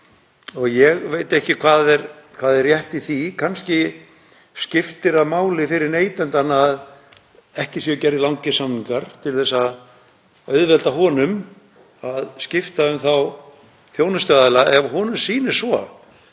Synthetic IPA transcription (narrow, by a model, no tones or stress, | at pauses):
ɔɣjɛɣvejt̪ɛhcɪkʰvaːðɛɾ | kʰvaːðɛrjɛht̪iθikʰanscɪ | scɪft̪ɪɾaðmaːwlɪfɪɾɪɾneːjt̪ɛnt̪anað | ɛhcɪsjɛcɛɾðɪlawŋcɪsamniŋkaɾ̥t̪ʰɪlθɛsːa | œɥðvɛlt̪aɦɔːnʏm | aðscɪft̪aʏmθaw | θjoːwnʏst̪œðɪlaɛvɦɔːnʏsiːnɪ̥svɔ